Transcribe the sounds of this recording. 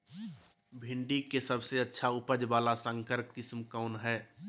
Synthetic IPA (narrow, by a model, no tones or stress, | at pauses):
bʱɪ̃ɳɖikesəbseətːʃʰaʊpəd͡ʒbaːlasə̃ŋkəɾkkɪsmkaʊnɦɛː